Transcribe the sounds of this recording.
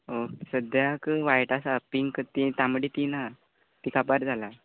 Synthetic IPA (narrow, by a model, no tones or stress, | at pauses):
osəd̪jakʋajʈasapiŋɡkt̪it̪jaməɽit̪ina | t̪ikapaɾd͡zʱala